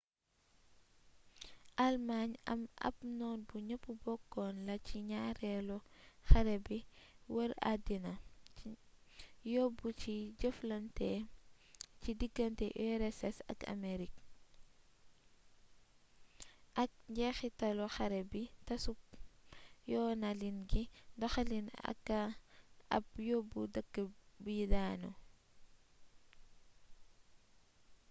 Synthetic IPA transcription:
ʔɐlmaɲɐ̰mɐ̰pnɔːnbuɲɐpːubɔkːɔːnlɐciɲaːɾɛlɔxɐɾɛbiwɐɾa̰dinɐ | jɔbuciɟəflɐntɛ | cidiɡɐntɛʔɛɾɛsɛsɐ̰ka̰meɾik | ʔɐk̚ɟɛxitɐlɔxɐɾɛbitɐsup̚ | jɔnalinɡidɔxalina̰kː | ɐ̰b̚jobudɐɡːəbudaːno

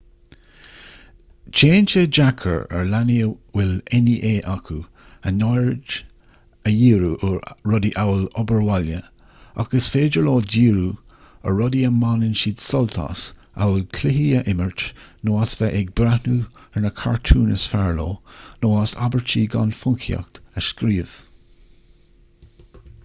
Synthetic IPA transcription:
t͡ʃeːnt͡ʃed͡ʒakʰə̰ɹə̰ɹlaniəwɪlɛniʔeːʔakʰu | ənɔɹd͡ʒ | əjiːɾuʔəːɔdiʔawlɔbəɹwaljə | a̰ɡ̥əsfeːd͡ʒəɹlɔːdiːɾuː | ə̰ɹɔdiəmanɪnʃiːd̪sɔlt̪ʰa̰s | a̰wəlkʰlɪɦiəʔɪməɹt͡ʃnoːasvɛʔɛɡ̚bɾanuːɛɹnəkʰaɹt̪ʰuːnəsfaɹlɔːnoːasa̰bəɹt͡ʃiːɡa̰nfʊŋkʰia̰kt̪əskɾiːv̥

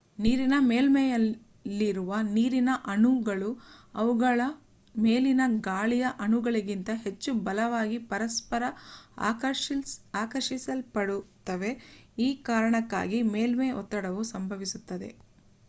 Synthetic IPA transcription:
niːɾinɐmeːlmejɐlː | iɾuʋɐniːɾinɐʔɐnuɡɐɭuɐʋuɡɐɭɐ | meːlinɐɡaːɭijɐʔɐnuɡɐɭiɡint̪ɐɦe̞t͡ʃːubɐlɐʋaːɡipɐɾɐspɐɾɐa̰ːɐaːkɐɾʃisɐlpɐɽut̪ːɐʋe̞iːkaːɾɐɳɐkːa̰ːɡimeːlmeʔɔ̰t̪ːɐɽɐʋusɐmbʱɐʋisut̪ːɐd̪e̞̰

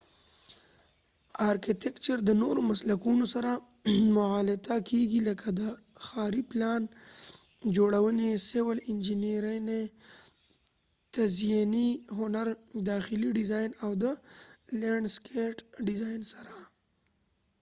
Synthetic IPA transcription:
aːɾkit̪ekt͡ʃəɾd̪ənoɾomaslakunosaɾa | mʊaːlɪt̪akeɡiləkʰad̪ə | xɑːɾiplɑːn | d͡ʒoɽawənesɪwəlɪnd͡ʒineɾane | t̪azjaniɦʊnaɾd̪ɑxɪliɖɪzajnawd̪əleɳɖskeʈɖɪzajnsaɾa

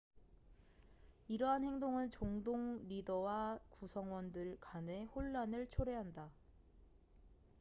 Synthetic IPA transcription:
iɾʌɦanhe̞ŋdoŋɯnt͡ɕoŋdoŋɾidʌwakusʰʌŋwʌndɯɭkane̞hoɭːanɯɭt͡ɕʰoɾe̞ɦanda

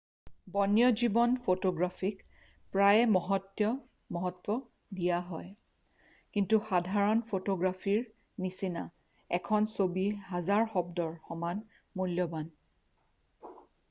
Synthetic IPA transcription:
bɔnjɔzibɔnpʰotoɡɹafʰik | pɹajmɔɦɔtːjɔ | mɔɦɔtwɔ | dijaɦɔj | kintuxadʱaɹɔnpʰotoɡɹafʰiɹ | nisina̰ | ɛkʰɔnsobiɦazaɹxɔbdɔɹxɔman | muljɔban

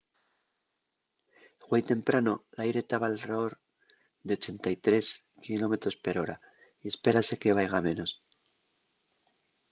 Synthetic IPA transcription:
ɣwejt̪e̞mpɾano̞lajɾe̞t̪aβalreoɾ | ðe̞o̞t͡ʃe̞nt̪ajt̪ɾe̞s | kilo̞me̞t̪ɾo̞spe̞ɾo̞ɾa | ie̞spe̞ɾase̞ke̞βajɣ̞amẽ̞no̞s

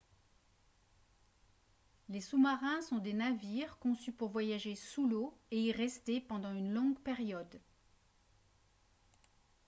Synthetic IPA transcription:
lesumaʁɛ̃sɔ̃d̪enaviʁkɔ̃sypuʁvwajaʒesuloeiʁɛst̪epɑ̃d̪ɑ̃ynlɔ̃ɡpɛʁjɔd̪

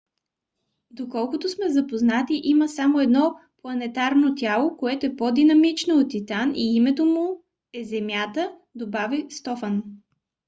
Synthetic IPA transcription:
d̪okɔlˠkʊt̪ʊsmɛzɐpoznat̪iʔiməsamoɛd̪nɔplˠɐnɛt̪aɾnot̪ʲjalˠokoɛt̪oɛpod̪inɐmit͡ʃnoot̪ːit̪aniimɛt̪omʊ | ɛzɛmjat̪əd̪obavist̪ɔfən

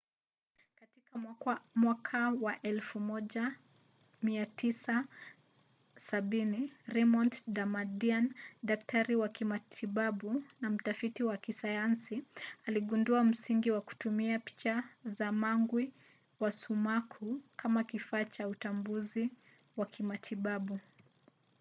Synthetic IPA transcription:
katikamwakʰawaʔɛlfumɔʄa | miatisa | saɓiniɾɛmɔntdamadiandaktʰaɾiwakimatʰiɓaɓunam̩tafitiwakisajansialiɠunduam̩siŋɡiwaku̥tumiapi̥t͡ʃazamaŋɡwi | wasumakʰukʰamakifaːt͡ʃautambuzi | wakʰimatʰiɓaɓu

